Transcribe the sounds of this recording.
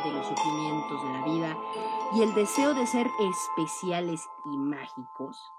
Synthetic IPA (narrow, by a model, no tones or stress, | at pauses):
ðelo̞sufɾimjẽ̞nt̪o̞zðelaβiðaie̞ld̪e̞se̞oðe̞se̞ɾespe̞sjale̞s | imaxiko̞s